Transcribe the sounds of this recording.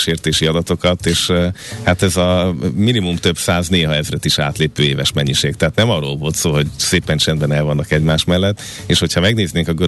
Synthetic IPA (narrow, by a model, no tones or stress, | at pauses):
ʃeːrt̪eːʃiɒd̪ɒt̪o̞kɒt̪eːʃhat̪ɛzɒminimumt̪øbsaːzneːɦɒɛzrɛt̪iʃa̰ːt̪leːpøːeːvɛʃmɛɲːiʃeːk̚t̪ɛɦaːt̪nɛmɒroːlvo̞lt̪soːɦo̞ɟseːpɛnt͡ʃɛnd̪bɛnɛlvɒnːɒkɛɟmaːʃmɛlːɛt̪ː | eːʃho̞chɒmɛɡneːzneːŋkɒɡø